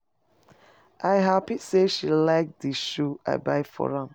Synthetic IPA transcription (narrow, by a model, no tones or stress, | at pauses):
ʔaɪɦapiseʃilaɪk̚diʃua̰ɪbaɪfɔ̰ɹãm